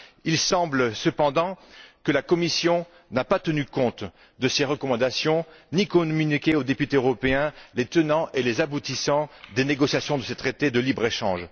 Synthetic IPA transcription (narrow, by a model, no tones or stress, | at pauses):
ilsɑ̃blsəpɑ̃d̪ɑ̃kəlakɔmisjɔ̃ | napat̪ənykɔ̃t̪ | d̪əseʁəkɔmɑ̃d̪asjɔ̃nikɔmynikʲeod̪epyt̪eøʁɔpeɛ̃let̪ənɑ̃ʔelezabut̪isɑ̃d̪eneɡɔsjasjɔ̃d̪əset̪χet̪ed̪əlibʁeʃɑ̰̃ʒ